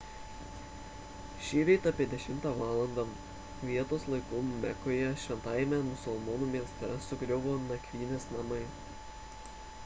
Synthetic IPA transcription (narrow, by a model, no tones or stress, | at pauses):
ʃʲiːɾʲɛɪt̪ɐːpʲiɛd̪ʲɛʃʲɪmt̪ɑːʋɑːlˠɐnd̪ɐ | ʋʲiɛt̪oːslˠɐɪkʊmmʲɛkoːjɛʃʲʋʲɛnt̪ɑːjɛmʲɛmʊsʊlˠmɔnuːmʲiɛst̪ʲɛsʊkɾʲɛʊʋoːnɐkʲʋʲiːnʲeːsnɐmɐɪ